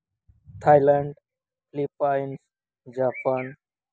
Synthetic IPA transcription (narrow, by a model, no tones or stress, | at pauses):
t̪ʰaːjlaɳɖ | flipajns | d͡ʒaːpaːn